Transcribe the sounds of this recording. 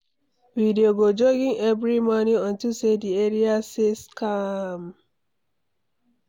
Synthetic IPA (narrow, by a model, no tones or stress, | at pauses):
videoɡod͡ʒoɡĩŋɛvɾimɔniɔ̃ntusedieɾiaseskam